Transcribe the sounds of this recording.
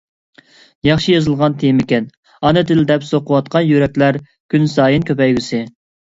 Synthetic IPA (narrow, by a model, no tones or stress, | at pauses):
jɑχʃijɑzɨlˠʁɑnt̪ʰejimɪkʲɛn | ɑnɨd̪ɪld̪ɛpsoqʰəwɑt̪̚qʰɑnjyɾɛkʲlæɾ | kʲynsɑːjinkʲʰøpɛjɡʲysɪ